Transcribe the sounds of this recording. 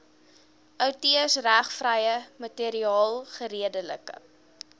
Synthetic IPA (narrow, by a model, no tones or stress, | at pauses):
ʔœwtiəsræχfrəjəmətiɾiɑːlˠχəɾiədələ̰kə̰